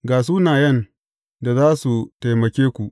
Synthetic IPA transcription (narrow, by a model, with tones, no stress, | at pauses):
ɡaː˨s̬uː˦naː˨jɐ˦˨n | da˨zaː˦su˨ta˨jmɐ˨kʲeː˦kʷu˨ʔ